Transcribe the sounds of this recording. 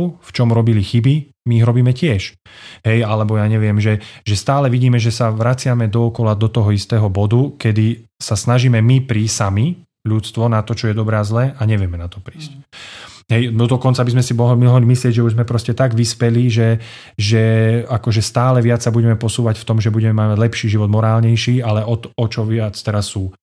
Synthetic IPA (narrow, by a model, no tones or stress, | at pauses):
ft͡ʃɔmɾɔbilixibi | miːɦɾɔbiːmɛcɪɛʃɦɛjalɛbɔjaːɲɛʋɪɛmʒɛʒɛst̪aːlɛʋiɟiːmɛʒɛsaʋɾat͡sɪamɛd̪ɔɔkɔlad̪ɔt̪ɔɦɔist̪ɛːɦɔbɔd̪ukɛd̪isasnaʒiːmɛmipɾiːsami | ʎut̪t͡st̪ʋɔnat̪ɔt͡ʃɔjɛd̪ɔbɾɛːazlɛːʔaɲɛʋɪɛmɛnat̪ɔpɾiːsc̚ | ɦɛjd̪ɔd̪ɔkɔnt͡sabizmɛsimɔɦɔɦɔlimislɪɛɟʒɛuʒzmɛpɾɔscɛt̪aɡʋispɛliʒɛ | ʒɛakɔʒɛst̪aːlɛʋɪat͡sːabuɟɛmɛpɔsuːʋacft̪ɔmʒɛbuɟɛmɛmamaɟlɛpʃiːʒiʋɔd̪mɔɾaːlɲɛjʃiːalɛɔt̪ɔt͡ʃɔʋɪat͡st̪ɛɾasːuː